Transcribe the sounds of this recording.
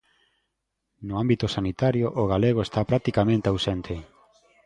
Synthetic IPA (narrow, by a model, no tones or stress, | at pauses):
noambit̪osanit̪aɾjoʔːɣaleɣ̞oest̪apɾat̪ikamẽnt̪eawsent̪ʰe